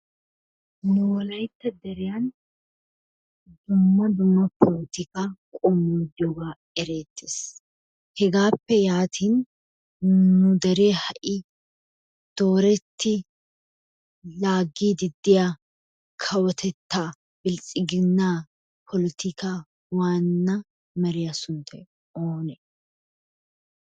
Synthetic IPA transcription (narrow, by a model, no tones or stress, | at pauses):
nʊwɔlɐjt̪ːɐd̪ɛɾɪjan | d̪ʊmːɐd̪ʊmːɐpʰɔlɪt̪ɪkaːkʼɔmːuːd̪jɔɡaː | ɛɾe̞ːt̪ːeːs | hɛɡaːpːɛjaːt̪ʰiːn | nʊd̪ɐɾeːhɐʔɪ | d̪̥o̞ːɾɛt̪ʰːɪ | laːɡːiːd̪ɪd̪ːɪja | kʰɐwɔt̪ʰɛt̪ːaː | bɪlt͡sʼɪɡɪnːaː | pʰɔlɪt̪ɪka | waːnːɐ | mɐɾɪjɐsʊnt̪ʰɛ | oːnɛ